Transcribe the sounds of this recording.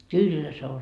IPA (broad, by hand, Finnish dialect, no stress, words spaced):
kylːæ se o